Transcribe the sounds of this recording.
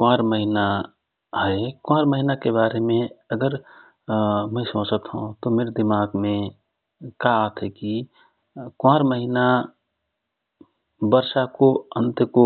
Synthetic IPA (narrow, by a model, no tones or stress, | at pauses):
kãːɾməɦina | ɦɛekʊãːɾməɦinakebaːɾemẽəɡəɾ | mɛ̃sõːt͡ʃət̪ɦṵ̃t̪omeːɾd̪ɪmaːɡmẽ | kaaːt̪ʰɦɛki | kãːɾməɦina | bəɾʃakoə̃nt̪ko